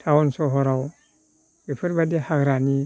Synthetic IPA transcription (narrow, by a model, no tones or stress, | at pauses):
tʰawɔnsɔɦɔɾaw | bipʰɯɾbadihakɾani